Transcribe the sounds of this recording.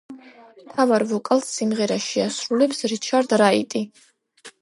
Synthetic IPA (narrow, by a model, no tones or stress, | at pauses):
mt̪ʰavaɾvɔkʼalˠsːimʁɛɾaʃiasɾulɛpsɾit͡ʃʰaɾd̪ɾaḭt̪ʼi